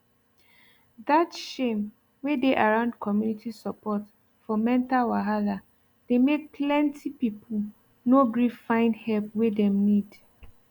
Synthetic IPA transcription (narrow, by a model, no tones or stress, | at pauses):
datʃẽm | wedeʔaɹãʊ̃ndkʰɔmjunitʰisapʰɔt | fɔmɛ̃ntawaɦala | d̥emek̚pʰlɛ̃ntʰipipʰu | noɡɹifãɪ̃nhɛlp̚wedɛ̃mnid